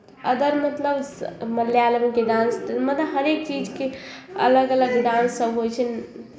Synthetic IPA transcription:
əd̪əɾmət̪ləbsməlːjaləmkeɖãnst̪mət̪ləɦəɾek̚t͡ʃid͡ʒkeə̰ləɡələɡɖãnsəbʱɦojt͡ʃʰən

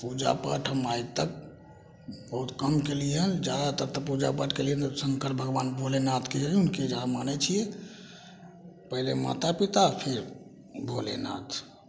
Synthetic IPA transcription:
pud͡ʒa̰pa̰ʈʰəmait̪ək̚ | bəɦut̪kəmkeliɦənd͡ʒat̪əɾt̪əpud͡ʒa̰paʈʰkeliɦənt̪səŋkəɾbʱəɡʋaːnbʱolenat̪ʰked͡ʒəɡiunked͡ʒamanɛt͡ʃʰijɛ | pəɦlḛma̰t̪apit̪apʰeɾ | bʱolḛna̰t̪ʰ

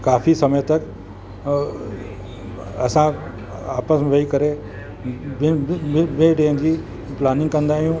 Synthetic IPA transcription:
kaːfisɐməjt̪ɐk | ɐsã | aːpəsmẽʋɐikɐɾe | bɪbẽɖeːnd͡ʑiː | plaːnɪ̃ŋɡkɐ̃nd̪aːɦijũ

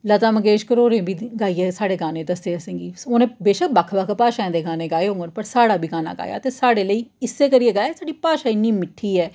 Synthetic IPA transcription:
lət̪aːməɡeːʃkəɾoːɾẽːbiːɡaːiːeːsaːɽeːɡaːnẽːd̪əsd̪eːəsẽːŋɡiːoːnẽːbeːʃək̚bəkʰbəkʰpaːʃaːɛ̃nd̪eːɡaːnẽːɡaːeɦõːŋɡənpəɾsaːɽaːbʱiːɡaːna̰ːɡa̰ːja̰ːt̪eːsaːɽeːləiːɪsːeːkəɾiːeːɡaːjaːsaːɖiːpaːʃaːɪnːiːmɪʈʰːiːɛː

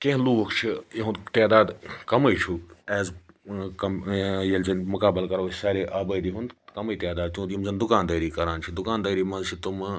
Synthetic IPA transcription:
kẽɦluːʋɐkt͡ʃʰijeɦũnd̪t̪ɛːd̪aːd̪kɐmɐit͡ʃʰuɛːz | kɐmjɐlzɐnmʊkaːbəlkɐɾoːsaːɾeːʔaːbəːd̪iɦũnd̪kɐməiːt̪ɛːd̪aːd̪̚t͡ʃũːt̪jimzɐnd̪ʊkaːnd̪ɐːɾiːkɐɾaːnt͡ʃʰid̪ʊkaːnd̪ɐːɾiːmɐ̃nzt͡ʃʰit̪um

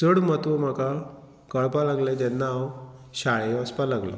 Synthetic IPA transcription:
səɽmət̪ʋəm̤aka | kəɭpalaɡlɛ̃d͡ʑɛnːaw | ɕaɭeəspalaɡlɔ̰

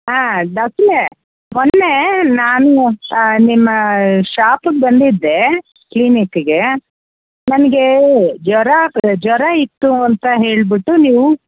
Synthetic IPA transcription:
ɦaːɖ̪ɐksle | monːenaːnunimːɐʃaːpuɡebɐnd̪id̪ːe̞ | klinikːɡe | nɐnɐɡed͡ʒɔɾɐd͡ʒɔɾɐit̪ːuɐnt̪ɐɦe̞ːɭbiʈːuniːʋu

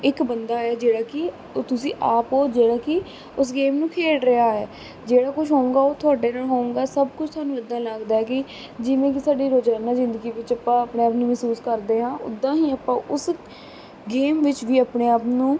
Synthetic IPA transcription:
ɪkbənd̪aːɦɛːd͡ʒeːɽaːkɪ | t̪ʊsĩːʔaːpoːd͡ʒeːɽaːkɪ | ʊs̬ɡeːmnũːkʰeːɽɾɪaːɦɛː | d͡ʒeːɽaːkʊt͡ʃʰɦoːũːɡaːoːt̪ʰʊaːɖeːnaːɦoːũːŋɡaːsəb̚kʊt͡ʃʰt̪ʰʊaːnũːəd̪ːãːlaːɡd̪aːɛːkɪ | d͡ʒɪʋẽːk̬ɪsaːɖiːɾoːd͡ʒaːnaːzɪ̃nd̪əɡiːʋɪt͡ʃəpãːəpneːaːpnũːmɛːsuːskəɾd̪eːɦãːʊ̰d̪ːãːɦiːəpãːʔʊs | ɡeːmʋɪt͡ʃʋiːəpneːaːpnũː

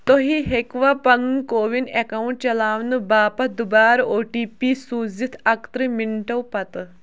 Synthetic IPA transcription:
t̪oɦiɦekʋaːpɐnnkoːʋinekɐuɳʈ̚t͡ʃɐlaːʋnɨbaːpɐd̪ubaːɾoːʈiːpiːsuːzit̪ʰɐkt̪ɾɨmiɳʈɐwpɐt̪

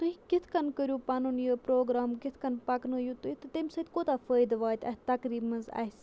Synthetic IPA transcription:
t̪uɦikɪt̪ʰkɐnkəɾʲjuːpɐnunjəpɾoːɡɾaːmkɪt̪ʰkɐnpɐknɨjut̪uit̪ɨt̪emsɐd̪ʲkoːt̪aːfəːjd̪ʋaːt̪ʲɐ̰ɦt̪ɐkɾiːbmɐnza̰ːɦs

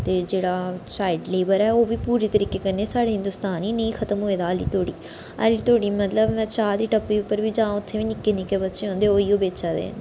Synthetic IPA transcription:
t̪eːd͡ʒeːɽaːsaːɪɖleːbəɾɛːoːʋiːpuːɾiːt̪əɾiːkeːkənːeːsaːɽeːɦɪ̃nd̪uːst̪aːnɦiːnəĩːkʰət̪əmɦoːeːd̪aːəlḭːt̪oːɽḭː | ə̰liːt̪oːɽiːmət̪ləbmɛ̃ːt͡ʃaːd̪iːʈəpːiːʊpːəɾʋiːd͡ʒãːʊt̪ʰːeːʋiːnɪkːeːnɪkeːbət̪ːʃeːɦõːnd̪eːoːiːoːbeːt͡ʃaːd̪ḛːn

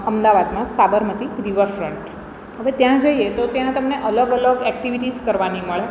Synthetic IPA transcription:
əmd̪aʋad̪mãsabəɾmət̪iɾiʋəɾfɾəɳʈ | ɦəʋet̪jãd͡ʒəiet̪ot̪jãt̪əmneʔələɡələɡɛkʈiʋiʈizkəɾʋaniməɭe

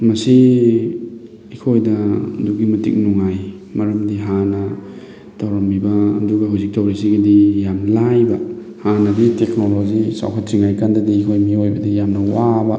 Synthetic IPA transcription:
mɐsi | ikʰojdɐduɡimɐtḭk̚nuŋaj | mɐɾɐmdiɦanɐ | tawɾɐmbibɐːduɡɐɦawzik̚tɐwɾisiɡɐdijamlajbɐ | hanɐditek̚nolod͡ʒisa̰wkʰatɾiŋajkandɐdiːkʰojmiojbɐdijamnɐwabɐ

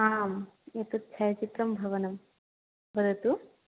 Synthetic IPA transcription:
aːmet̪ut̪ːt͡ʃʰɐjɐt͡ʃit̪ɾɐmbʱɐʋɐnɐm | bɐɾut̪u

